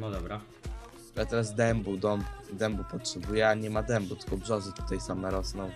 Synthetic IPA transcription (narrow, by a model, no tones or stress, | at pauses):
nɔd̪ɔbɾa | lɛt̪ɛɾazd̪ɛmbud̪ɔmd̪ɛmbupɔtʂɛbujɛaɲɛmad̪ɛmbut̪ɨkɔbʐɔzɘt̪u̥t̪ajsamɛɾɔsnɔ̃w̃